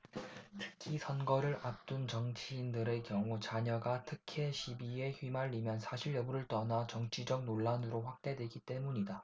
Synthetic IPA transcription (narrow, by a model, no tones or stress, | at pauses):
tʰɯ̥k̚kʰisʰʌnɡʌɾɯɾap̚t͈unt͡ɕʌŋt͡ɕʰiːndɯɾe̞kjʌŋut͡ɕaɲʌɡatʰɯkʰeɕʰibie̞çɥimaʎːimjʌnsʰaɕʰiɭjʌbuɾɯɭt͈ʌnat͡ɕʌŋt͡ɕʰid͡ʑʌk̚noɭːanɯɾoɸwak̚t͈e̞dwe̞ɡit͈e̞muɲida